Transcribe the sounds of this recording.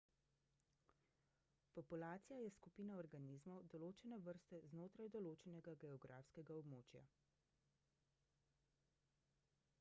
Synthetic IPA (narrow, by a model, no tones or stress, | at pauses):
pɔpulaːt̪sijajɛskupiːnaɔɾɡanizmɔwd̪ɔloːt͡ʃɛnɛʋəɾst̪ɛznoːt̪ɾajd̪ɔloːt͡ʃɛnɛɡaɡɛɔɡɾa̰ːfskɛɡaɔbmoːt͡ʃja̰